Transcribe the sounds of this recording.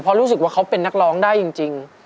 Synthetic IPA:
pʰɔ˧˥ɾuː˦˥s̬ɯ˨˩k̚waː˥˩a˦˥wpe˧nːa˦˥k̚lɔː˦˥ŋdaː˥˩jːi˧ŋt͡ɕi˧ŋ

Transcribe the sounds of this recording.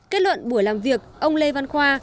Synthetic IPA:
ke˨˦˥t̚lwə̰˧˨nɓu˧˩əjlaː˨˩mvi˨˩ək̚ʔə˧wŋ͡mle˧va˧nxwaː˧

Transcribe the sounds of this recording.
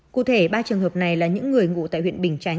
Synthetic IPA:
kṵ˧˨t̪ʰe˧˩ɓaː˧t͡ɕɨ˨˩əŋɦəː˨˩p̚na˨˩jlaː˨˩ɲɨ̰˧˥ŋːɨ˨˩əjŋṵ˧˨t̪a̰ː˧˨jhwḭ˧˨ənɓï˨˩ŋ̟t͡ɕa˨˧˦

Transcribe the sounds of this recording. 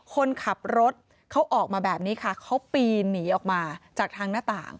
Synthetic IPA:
kʰo˧nkʰa˨˩p̚ɾo˦˥t̪̚ | kʰa˦˥wʔɔː˨˩k̚maː˧bɛː˨˩p̚niː˦˥kʰa˥˩kʰa˦˥wpiː˧niː˩˦ʔɔː˨˩k̚maː˧t͡ɕaː˨˩k̚t̪ʰaː˧ŋnaː˥˩t̪a̰ː˨˩ŋ

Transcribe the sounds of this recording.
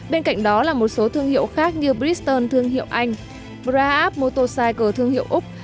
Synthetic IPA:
ɓe˧nka̰˧˨jŋ̟ɗɔ˨˦laː˨˩mo˨˩t̚so˨˦t̪ʰɨ˧əŋhḭ˧˨əwxaː˦˥k̚ɲɨ˧ɓɾi˦˥t̪əː˧nt̪ʰɨ˧əŋɦḭ˧˨əwʔa˧jŋ̟ | ɓzaː˧ʔaː˦˥p̚mo˧t̪o˧saː˧jku˧˩t̪ʰɨ˧əŋhḭ˧˨əwʔʊ˦˥k͡p̚

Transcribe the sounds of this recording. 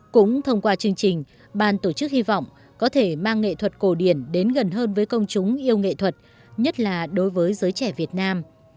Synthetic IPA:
kʊ̰˧˥ŋ͡mt̪ʰə˧wŋ͡mkwaː˧t͡ɕɨ˧əŋt͡ɕï˨˩ŋ̟ | ɓaː˧˩nt̪o˧˩t͡ɕɨ˦˥k̚hi˧vɔ̰˧˨wŋ͡m | kɔ˨˦t̪ʰe˧˩maː˧ŋːḛ˧˨t̪ʰwə˨˩t̚ko˧˩ɗi˧˩ənɗe˨˦nɣə˨˩nɦəː˧nvəː˨˦jkə˧wŋ͡mt͡ɕʊ˨˦ŋ͡mʔi˧əwŋḛ˧˨t̪ʰwə˨˩t̚ | ɲə˦˥t̚laː˨˩ɗo˨˦jvəː˨˦jzəː˨˦jt͡ɕɛ˧˩vi˨˩ət̚naː˧m

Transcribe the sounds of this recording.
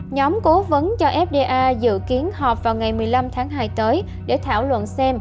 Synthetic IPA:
ɲɔ˨˦mko˨˦və˨˦nt͡ɕɔ˧ʔɛ˦˥p̚ɗe˧ʔaː˧zɨ̰˧˨ki˨˦ənɦɔː˨˩p̚vaː˨˩wŋa˨˩jmɨ˨˩əjla˧mt̪ʰaː˨˦ŋɦaː˧jt̪əː˨˦j | ɗe˧˩t̪ʰa̰ː˧˩wlwə̰˧˨nsɛ˧m

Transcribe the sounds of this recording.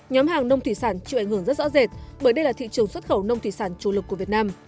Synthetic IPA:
ɲɔ˨˦mhaː˨˩ŋnə˧wŋ͡mt̪ʰwi˧˩saː˧˩nt͡ɕḭ˧˨ʔa˧˩ŋ̟hɨ˧˩əŋzt̚zɔ̰˧˥ze˨˩t̚ɓəː˧˩jɗə˧jlaː˨˩t̪ʰḭ˧˨t͡ɕɨ˨˩əŋswə˦˥t̚xə˧˩wnə˧wŋ͡mt̪ʰi˧˩saː˧˩nt͡ɕu˧˩lɨ˨˩kːu˧˩vi˨˩ət̚naː˧m

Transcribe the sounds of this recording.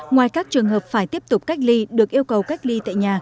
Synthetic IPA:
ŋwaː˨˩jkaː˦˥k̚t͡ɕɨ˨˩əŋɦəː˨˩p̚faː˧˩jt̪i˦˥əp̚t̪ʊ˨˩k͡p̚ka˦˥jk̟̚li˧ɗɨ˨˩ək̚ʔi˧əwkə˨˩wka˦˥jk̟̚li˧t̪a̰ː˧˨jɲaː˨˩

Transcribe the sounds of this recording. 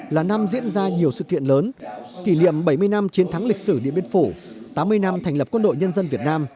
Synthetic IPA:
laː˨˩na˧mzḭ˧˥ənzaː˧ɲi˨˩əwsɨ̰˧˨kḭ˧˨ənləː˨˦nki˧˩nḭ˧˨əmɓə˧˩jmɨ˧əjna˧mt͡ɕi˨˦ənt̪ʰa˨˦ŋli˨˩k̟̚sɨ˧˩ɗḭ˧˨əmɓi˧ə˧nfu˧˩ | t̪aː˨˦mːɨ˧əjna˧mt̪ʰa˨˩ŋlə˨˩p̚kwə˧nɗo̰˧˨jɲə˧nzə˧nvi˨˩ət̚naː˧m

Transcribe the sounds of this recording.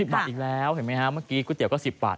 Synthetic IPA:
i˨˩p̚ɓaː˨˩t̪̚iː˨˩lɛː˨˦˥wha˨˩jma˧˦˥jha˦˥mɯː˥˩kiː˦˥kːt̪i˨˩əwkɔː˥˩si˨˩p̚ɓa̰ː˨˩t̪

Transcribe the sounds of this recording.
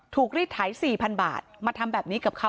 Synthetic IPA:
t̪ʰuː˨˩k̚ɾiː˥˩t̪ʰaː˩˦jsiː˨˩pʰa˧nba̰ː˨˩t̪̚maː˧t̪ʰa˧mbɛː˨˩p̚niː˦˥ka˨˩p̚kʰa˦˥

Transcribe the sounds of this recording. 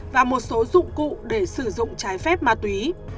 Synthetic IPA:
vaː˨˩mo˨˩t̚so˨˦zʊ̰˧˨ŋ͡mkṵ˧˨ɗe˧˩sɨ˧˩zʊ̰˧˨ŋ͡mt͡ɕaː˨˦jfɛ˦˥p̚maː˧˩t̪wi˨˦

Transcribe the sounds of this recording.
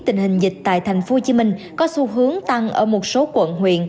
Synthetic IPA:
t̪ï˨˩ŋ̟hï˨˩ŋ̟zï˨˩k̟̚t̪a̰ː˧˨jt̪ʰa˨˩jŋ̟fo˨˦ho˧t͡ɕi˨˦mï˧ŋ̟ | kɔ˨˦su˧ɦɨ˨˦əŋt̪a˧ŋʔəː˧˩mo˨˩t̚so˨˦kwə̰˧˨nɦwḭ˧˨ən

